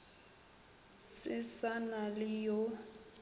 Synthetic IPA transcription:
sɪsanalɪjo

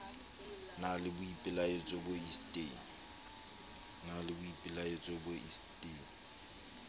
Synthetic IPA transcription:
nalɪbʊipʼɪlaet͡sʼɔboistʼeŋ | nalɪbʊipʼɪlaet͡sʼɔboʔḭstʼeŋ̩

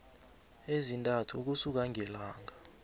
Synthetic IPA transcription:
ezintʼatʰuk̬usuk̬aŋʱɛlaːŋʱa

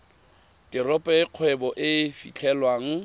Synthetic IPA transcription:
tɪrɔpʼɛɪq͡χʰwɛbɔʔɪfḭt͡ɬʰɛlwaːŋ̩

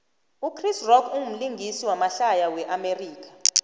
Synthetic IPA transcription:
ukʰrisrɔkʰuŋum̩liŋʱisiwamaɬajawɛʔameriːkḁ

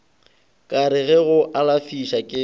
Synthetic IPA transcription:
kʼaɾɪɣɛɣʊʔalafiʃakʼɪ

